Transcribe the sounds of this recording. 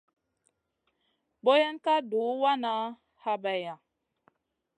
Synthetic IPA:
bo˦jɛ˦nka˦du˨˦wa˦na˦ | ha˦bɛ˨ja˨

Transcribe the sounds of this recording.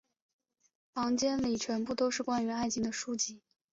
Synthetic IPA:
pɑ˧˥ŋt͡ɕjɛ˥nli˨˩t͡ɕʰɥɛ˧˥npu˥˩t̪o˥ʊʂɻ̩˥˩kwa˥ny˧˥a˥˩ɪt͡ɕʰi˧˥ŋd̪ə˧ʂu˥t͡ɕi˥˩

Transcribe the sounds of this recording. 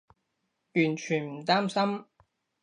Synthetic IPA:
jyː˨˩nt͡ʃʰyː˨˩nm̩˨˩t̪aː˥msɐ˥m

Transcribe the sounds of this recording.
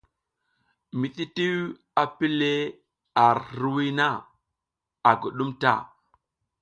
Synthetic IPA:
mi˨ɗi˦ti˦w | a˨pi˦le˦ | a˨ɾhɾwi˦na˦˨ | a˨ɡu˨ɗu˦mta̰˦˨

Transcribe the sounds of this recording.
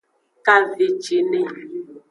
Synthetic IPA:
ka˦ve˨t͡ʃe˨ne˦˨

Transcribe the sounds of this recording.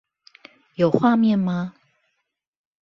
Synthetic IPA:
jo˨˩ʊxwa˥˧mjɛ˥˨nma˨

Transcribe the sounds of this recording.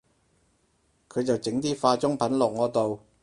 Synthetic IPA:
kʰɵ˨˧ɥt͡sɐ˨wt͡sɪ˨˥ŋt̪iː˥faː˧t͡ʃʊ˥ŋpʰɐ˨˥nlɔː˨k̚ŋɔː˨˧t̪o˨w

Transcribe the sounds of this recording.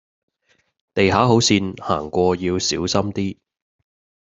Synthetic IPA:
t̪e˨jɦaː˨˥ɦo˨˥wsiː˧nha̰ː˨˩ŋkʷɔː˧jiː˧wsiː˨˥wsɐ˥mt̪iː˥

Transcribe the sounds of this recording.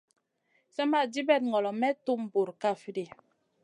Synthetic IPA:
sɛ˦ma˦˨di˦bɛ˦˨t̚ŋɔ˨lɔ˨mɛ˦tu˦˨m˨bo˨ɾka˦˨fi˦di˨

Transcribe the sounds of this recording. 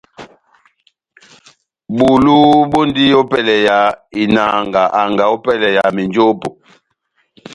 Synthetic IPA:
bu˨lu˦bo˦ndi˦o˦pɛ˦lɛ˨ja˨i˨na˨ŋɡa˨ʔa˨ŋɡa˨o˦pɛ˦lɛ˨ja˨mi˨nd͡ʒo˦po˨

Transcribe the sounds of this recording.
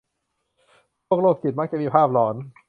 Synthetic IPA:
o˥˩ək̚loː˥˩k̚ki˨˩t̪̚ma˦˥t͡ɕa˨˩miː˧˩pʰaː˥˩p̚lɔː˩˦n

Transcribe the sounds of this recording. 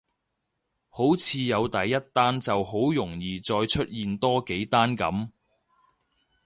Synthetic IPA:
ho˨˥wt͡sʰiː˧jɐ˨˧wt̪ɐ˨jːɐ˥t̚t̪aː˥nt͡sɐ˨who˨˥wjʊ˨˩ŋjiː˨t͡sɔː˧jt͡ʃʰɵ˥t̚jiː˨nt̪ɔː˥ke˨˥jt̪aː˥nkɐ̰˨˥m

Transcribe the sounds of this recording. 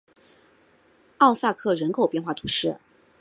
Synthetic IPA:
ɑ˥˧ʊsa˥˧kʰɤ˥˩ɻə˧˥nkʰo˨˩ʊpjɛ˥˧nxwa˥˩t̪ʰu˧˥ʂɻ̩˥˩

